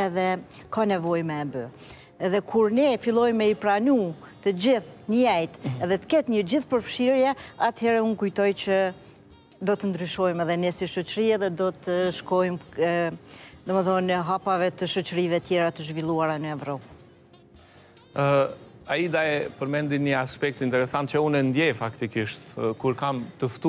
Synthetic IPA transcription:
ɛðɛkanɛvɔjmɛːbə | ɛðɛkʰuɾnɛfilˠɔjmɛipɾanu | t̪əd͡ʑiθɲəjɛjt̪ɛðɛt̪ə̥kɛt̪ɲəd͡ʑiθpəɾfʃiɾjɛat̪hɛɾɛunkujt̪ɔjt͡ʃə | d̪ɔt̪ənd̪ɾyʃɔjmɛðɛnɛsiʃɔt͡ʃəɾiɛðɛd̪ɔt̪əʃkɔjm | d̪ɔməθɔnəɦapavɛt̪əʃɔt͡ʃəɾivɛt̪jɛɾat̪əʒvilˠuaɾanəɛvɾɔp | aid̪aɛpəɾmɛnd̪inəaspɛk̚t̪int̪ɛɾɛsant̪̚t͡ʃəunɛnd̪jɛfakt̪ikiʃt̪kuɾkamt̪əft̪u

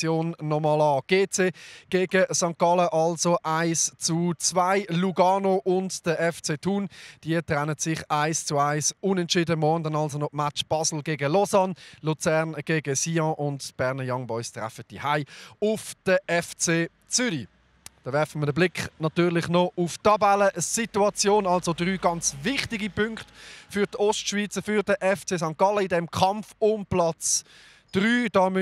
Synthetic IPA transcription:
t͡sjoːnːɔmɑlɑːɡ̥eːt͡seːɡ̥eːɡ̥əsɑŋkɑləʔɑlsoʔaɪst͡sut͡svaɪluɡɑːnoʔʊntd̥əʔɛft͡seːtʰuːnd̥iːətʁɛnətsɪχaɪst͡suaɪsʊnɛntt͡ʃiːdəmɔʁndənɑlsonɔmat͡ʃb̥ɑsl̩ɡeːɡəlɔzɑnlut͡sɛɐnɡ̥eːɡəsiːɑ̃ːʔʊntb̥ɛʁnəjɑŋbɔʏstʁa̰fət̚d̥ihaɪʊfd̥əʔɛft͡seː | t͡sʏyɾi | d̥ɑːʋɛɐfəmədəblɪkχnɑtyːʁlɪχnɔʔʊftɑbaləsituɑt͡sjoːnɑlsodʁyːɡɑnt͡svɪχtɪɡipʰʏŋktfyʁtɔstʃviːt͡səfyʁd̥əʔɛft͡seːsɑŋkɑləɪdɛmkʰɑmfʊmplɑt͡s | d̥ʁyːd̥ɑːm

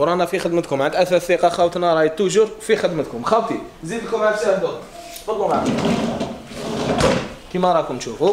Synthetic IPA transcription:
ɾˤɑnæfixəd̪mət̪kʊmʕənd̪ʔæθæθiqɑxæwt̪nɑɾˤɑjit̪ːʊʒʊɾfixəd̪mət̪kʊmxæwt̪i | zid̪ləkʊmʕad̪ʃæhd̪ʊ | t̪fɑd̪ˤːumaʕkʊ | kimæɾˤɑkʊmnʃufu

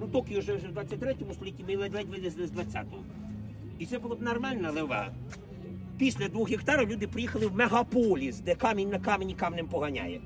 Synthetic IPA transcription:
nut̪ɔkɪʊʒɛwʒɛwd̪ʋat͡sʲːɐt̚ʲt̪ɾɛtʲɔmʊst̪ɔlʲitʲːimɪlˠɛd̪ʲlˠɛt̚ʲʋɪd̪ɪzlˠɪzd̪ʋɐtt͡sʲːa̰t̪ɔɦɔ | it̪sɛbulˠɔb̪nɐrmɛlʲnɐlˠɪʋɑ̰ | pʲisʲlʲɐd̪ʋuxɦikt̪ɑɾɐwlʲud̪ɪpɾɪjixɐlˠɪwmeɦɐpɔlʲisd̪ɛkɑmʲinʲnɐkɑmʲenʲikɑmnɪmpɔɦɐnʲa̰jɛ

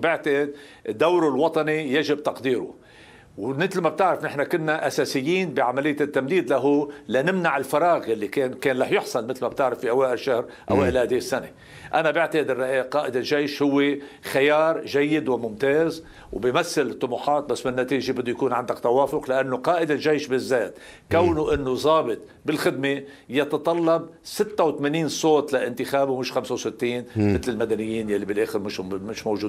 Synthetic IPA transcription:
bɪʕt̪aʔɪd̪̚ | ɪd̪ːawɾulwɑt̪ˤɑnijaʒɪb̚t̪ɑqd̪iːɾʊ̰ | wmɪt̪lmab̚t̪ɪʕɾɪfnɪħnakʊnːaʔasaːsɪjːiːnbiʕamalɪjːat̪ːamd̪iːd̪laɦulanɪmnaʕɪlfɑɾˤɑːɣjalːikeːnkeːnlɑːħjʊħsˤɑlmɪt̪lmab̚t̪ɪʕɾɪfːihawaːʔɪlʃahɾ | ʔa̰waːʔɪlhaːd̪iːsːane | ʔanabɪʕt̪aʔɪd̪ɪrːɑʔiːqɑːʔɪd̪ɪlʒejʃhʊwːe | xajɑːɾˤʒajːɪd̪wɪmʊmt̪eːz | wbimaθːalɪt̪ˤːʊmuħɑːt̪̚basːmɪnːat̪iːʒebɪd̪ːʊjakuːnʕand̪akt̪awaːfʊqlɪʔanːoqɑːʔɪd̪ɪlʒejʃbɪzːeːt̪ | kawːnuʔɪnːozˤɑːbɪt̪ˤ | bɪlxɪd̪̚me | jɑt̪ɑt̪ˤɑlːɑb̚sɪt̪ːawt̪meniːnsˤoːt̪laʔɪnt̪ɪxaːbumɪʃxamsawsɪt̪ːiːnmɪt̪lɪlmad̪anɪjːiːnjalːibɪlʔeːxɪɾmɪʃmɪʃmowʒuːd̪

